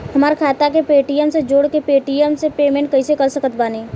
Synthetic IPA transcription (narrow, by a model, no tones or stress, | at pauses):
ɦəmaːɾkʰaːt̪akepeːʈijəmsed͡ʒoːɽkepeːʈijəmsepeːmẽːɳʈ̚kəɪsekəɾsəkət̪̚baːne